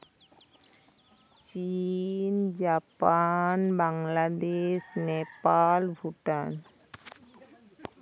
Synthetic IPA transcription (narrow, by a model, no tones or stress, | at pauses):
t͡ɕind͡ʒapanbaŋlad̪eʃnepalbʱuʈan